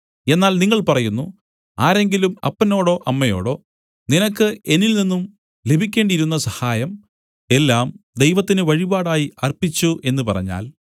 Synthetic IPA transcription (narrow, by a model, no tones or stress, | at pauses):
e̞nːaːlniŋːɐɭpɐrɐjunːu | aːɾe̞ŋɡilumɐ̰pːɐno̞ːɽo̞ːʔɐmːɐjo̞̰ːɽo̞̰ː | ninɐkːɨe̞nilninːum | le̞bʱikʲːe̞ːɳɖiɾunːɐsɐhaːjɐm | e̞lːaːmd̪e̞jʋɐt̪ːinɨʋɐɻibaːɽaːjiʔɐrpit͡ɕːuʔe̞nːupɐrɐ̰ɲːa̰ːl